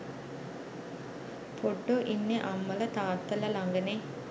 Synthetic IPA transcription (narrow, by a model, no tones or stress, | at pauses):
pʰoɖːoʔinːeʔamːələt̪aːt̪ːələlaŋɡəne